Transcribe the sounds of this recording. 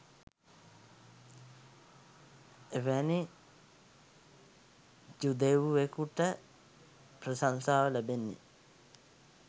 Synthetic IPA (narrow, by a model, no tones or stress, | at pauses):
eʋæni | d͡ʒud̪eʋuʋekuʈːə | pɾɐsansaːʋəlebenːḭ